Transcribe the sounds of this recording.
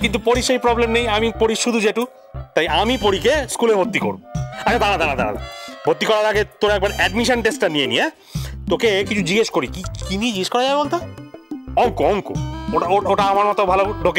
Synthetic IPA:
kint̪̬upoɾiʃejpɾɔblemnejamipoɾiʃud̪ʱud͡ʑeʈu | t̪ajamipoɾikeskuleɦot̪ːiko̰ɾuboat͡ɕʰad̪anad̪anad̪a̰na̰d̪a̰bʱot̪ːikɔɾat̪ʰaket̪oɾɛk̚baɾɛɖmiʃonʈesʈanijenḭje | t̪okekit͡ɕʰud͡ʑiɡeʃkoɾikikinied͡ʑiɡeʃkɔɾajabebolt̪o | ɔŋkooŋkṵoʈaooʈaamaɾmɔt̪obʱaloɖʱoke

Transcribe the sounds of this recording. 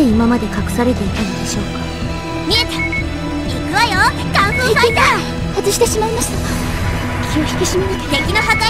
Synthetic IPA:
eimamad̪e̞kakɯ̟̥saɾe̞t̪e̞it̪eɾɯd̪eɕo̞ːkḁ | mʲiet̪e̥ | ikɯβajo | k̪ãɰ̃ɸɯsat̪a | hat͡sɨɕi̥t̪e̞ɕimaimaɕi̥t̪ḁ | kʲioçʲi̥kʲiɕimanit̪k̪ẽŋkʲinoɦak̪a

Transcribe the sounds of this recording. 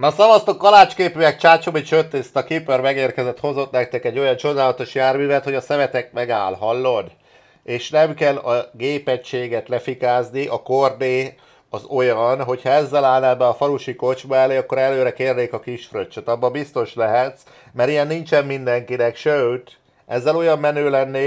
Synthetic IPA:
nɒsɒvɒst̪okːɒlaːt͡ʃkeːpyɛkt͡ʃaːt͡ʃomit͡ʃøt̪ːeːst̪ɒkipørmɛɡeːrkɛzɛt̪ho̞zo̞t̪nɛk̚t̪ɛkɛɟːo̞jɒnt͡ʃo̞d̪aːlɒt̪o̞ʃjaːrmyːvɛt̪ho̞ɟɒsɛvɛt̪ɛk̚mɛɡaːlɦɒlːod̪ | eːʃnɛmkɛlɒɡeːpɛcʃeːɡɛt̪lɛfikaːzniʔɒkord̪eː | ɒzo̞jɒnɦo̞chɒɛzːɛlaːlnɛbːɛɒfɒluʃiko̞d͡ʒbɒɛleːɒkːo̞ɾɛløːɾɛkeːrneːkɒkiʃfrøt͡ʃːøt̪ɒbːɒbist̪o̞ʃlɛɦɛt̪s | mɛɾijɛnːint͡ʃɛmːind̪ɛŋkinɛkʃølt̪ | ʔɛzːɛlo̞jɒmːɛnøːlɛnːeː

